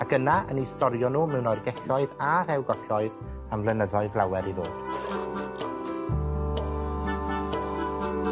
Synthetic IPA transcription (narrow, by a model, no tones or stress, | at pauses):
aɡ̥ənaə̰nistɔɾjɔnuːmɛwnɔjrɡɛɬɔɨðaɾɛwɡɔɬɔɨð | amlənəðɔɨðlˠawɛɾiðoːd̥